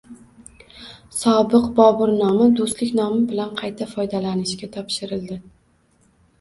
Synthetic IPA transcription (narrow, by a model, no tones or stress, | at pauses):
sɒbɪqbɒbɪɾnɒmɪd̪ost̪lɪkʲnɒmɪbɪlanqʰɑjt̪ʰafɒjd̪alanɪʃkʲat̪ʰɒpʃɪɾɪld̪ɪ